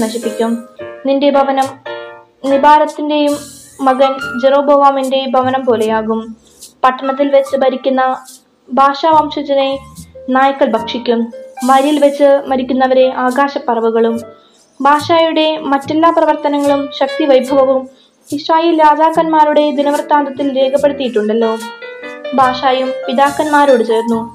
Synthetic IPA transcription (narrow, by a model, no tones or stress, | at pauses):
nɐɕipːikʲːumninde̞bʱɐʋɐnɐm | nibaːɾɐt̪ːinde̞jumː | ɐɣɐnd͡ʑero̞ːboːʋaːminde̞bʱɐʋɐnɐmpo̞ːle̞jaːɣum | pɐʈːɐɳɐt̪̬ːilʋet͡ɕːɨbɐɾikʲːunːɐ | bʱaːʂaːʋaːmʂɐd͡ʑɐne̞naːjɐkːɐɭbʱɐkʂikʲːumːɐɾijilʋɐt͡ɕːɨmɐɾikʲːunːɐʋɐɾe̞ʔaːɡaːɕɐpːɐrɐʋuɣɐɭum | baːʂaːjuɽe̞mɐtːe̞lːaːprɐʋɐrt̪ɐnɐŋːɐɭumɕɐk̚t̪iʋɐjbʱɐʋɐʋum | iɕraːjeːljaːdaːkːɐnmaːɾuɽe̞d̪inɐʋɐrt̪aːnd̪ɐt̪ːilɾeːkʰɐpːe̞ɽut̪ːijiʈːuɳɖɐlːo̞ː | bʱaːʂaːjumpid̪aːkːɐnmaːɾoːɽɨt͡ɕe̞ːrnːu